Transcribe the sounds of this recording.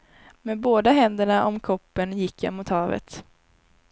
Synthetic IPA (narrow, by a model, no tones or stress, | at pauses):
meːboːd̪aɦɛnd̪əɳaʔɔmkʰɔpːənjɪkːja̰mʊt̪hɑːvə̰t̪